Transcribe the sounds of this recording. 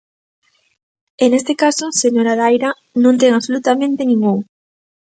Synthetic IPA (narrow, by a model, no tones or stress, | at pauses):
enest̪ekasoseɲoɾaðajɾa | nõnt̪eŋaβsolut̪amẽnt̪enĩŋɡuŋ